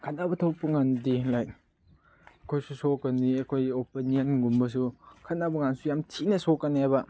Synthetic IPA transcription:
kʰanabɐtʰowpuŋandilaj | ɐkʰojsusokːɐnːiɐkʰojɡopiniɐnɡumbɐs̬ukʰɐnabuŋansujamtʰinɐsokːɐnajbɐ

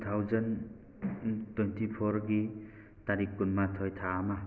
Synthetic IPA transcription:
t̪ʰawzʌn | twentipʰoɾɡi | t̪aɾikːunmat̪ʰɔjt̪ʰaːma

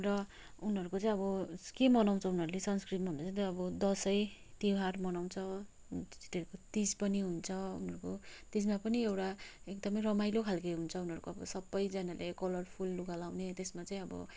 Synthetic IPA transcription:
rʌ | unɦʌɾukot͡sʌj̃ʌbʌkemʌnaw̃t͡sʰʌunʌɾulesʌnskribʱʌnd̪at͡sʌ̃t̪ʌbʌd̪ʌsʌjt̪iwɦarmʌnaw̃nt͡sʰʌ | d͡ziʈeɾkot̪ispʌniɦunt͡sʰʌṵnɦʌɾukot̪ismapʌniewʈaek̚d̪ʌmʌjrʌmajlokʰalkʌjɦunt͡sʰʌunɦʌɾukoʌbʌ̰sʌbːʌjd͡zʌnalʔekʌlʌrpʰulːuɡalawnet̪esmat͡sʌĩʌbʌ̰

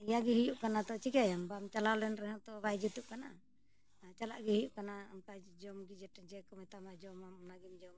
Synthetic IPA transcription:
ijaɡiɦijuʔkanat̪ɔt͡ʃikajambamt͡ʃalawlɛnɾɛɦɔt̪ɔbajd͡ʒut̪uʔ̚kana | t͡ʃalaʔɡihijuʔkanaamkad͡ʒɔmɡid͡ʒɛʈd͡ʒɛkɔmɛt̪amad͡ʒɔmanaɡimd͡ʒɔm

